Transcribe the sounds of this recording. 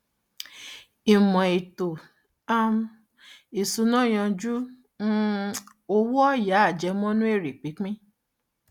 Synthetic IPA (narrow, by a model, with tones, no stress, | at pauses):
i˨mɔ̃˨i˨to˨ | a˦m˧ | i˨su˧˦nɔ̃˦˨j̃ɔ̃˧d͡ʒũ˦ | o˧˦wɔ˦ja˨˦a˦˨d͡ʒɛ˨˧˦mɔ̃˦nũ˦e˦˨ɾi˨k͡pi˨˦k͡pĩ˦